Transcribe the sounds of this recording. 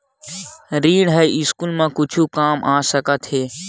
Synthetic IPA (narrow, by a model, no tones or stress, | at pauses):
ɾiːɽɦɛɪskuːlmãkʊt͡ʃʰukaːmʔaːsəkət̪ɦeː